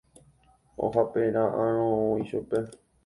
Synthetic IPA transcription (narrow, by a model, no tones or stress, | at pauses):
o̰ɦapeɾ̃ãʔãɾ̃õoiʃupe